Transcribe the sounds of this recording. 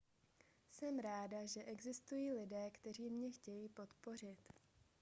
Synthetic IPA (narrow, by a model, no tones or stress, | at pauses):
sɛmɾaːdaʒɛʔɛɡzɪst̪ujiːlɪdɛːkt̪ɛr̝iːmɲɛxcɛjiːpo̞t̪po̞r̝ɪt̪